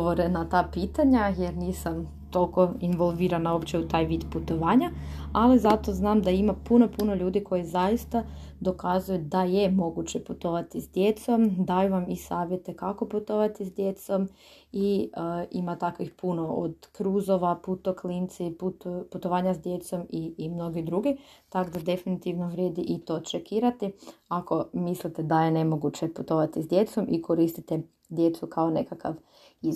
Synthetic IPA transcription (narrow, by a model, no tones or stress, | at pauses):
oʋoɾenat̪aːpiːt̪aɲajeɾniːsam | t̪o̞lˠko̞inʋolˠʋiːɾanaopt͡ɕeut̪aːjʋiːd̪put̪oʋaːɲaalizat̪o̞znaːmd̪aimapuno̞punoʎuːd̪ikʰo̞jizajist̪ad̪o̞kazujud̪ajemo̞ɡut͡ɕeput̪oʋat̪isd̪jet̪so̞md̪ajuʋamisaːʋje̞t̪e̞kako̞put̪oʋat̪izd̪jet̪so̞m | iimat̪akʋixpunoo̰d̪kɾuːzoʋaput̪oklint̪siputput̪oʋaːɲazd̪je̞t̪so̞mimno̞ɡid̪ɾuɡit̪akd̪ad̪e̞finit̪iʋnoʋɾjeːd̪iʔit̪o̞t͡ʃekiːɾat̪iako̞mislit̪ed̪aje̞ne̞mo̞ɡut͡ɕeput̪o̞ʋat̪izd̪je̞t̪so̞mʔiko̞ɾist̪it̪e | d̪je̞t̪sukʰaone̞kaka̰ʋ | i